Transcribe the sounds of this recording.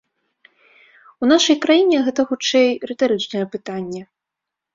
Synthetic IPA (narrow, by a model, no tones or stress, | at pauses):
un̪aʂɐjkɾajinʲɛɣɛt̪ɐxut͡ʂɛjrɨt̪aɾɨt͡ʂnɐjɛpɨt̪anʲːɛ